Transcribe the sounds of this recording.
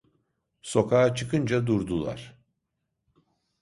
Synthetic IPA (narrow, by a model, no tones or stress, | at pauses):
so̞kʰaːat͡ʃʰɯkɯnd͡ʒad̪uɾd̪ulˠa̰ɾ̥